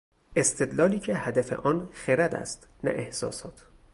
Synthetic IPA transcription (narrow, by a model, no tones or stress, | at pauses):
e̞st̪ʰe̞d̪lɒːliːcʰe̞hæd̪æfe̞̰ʔɒːnxeɾæd̪æ̰st̪ | næ̰ʔehsɒ̰ːsɒːt̪ʰ